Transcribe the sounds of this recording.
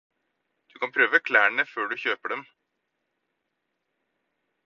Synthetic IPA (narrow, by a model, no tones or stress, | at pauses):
d̪̥ʉkɑnpʰɾøːʋəkʰlæːɳəføːɖʉçøːpəɖɛm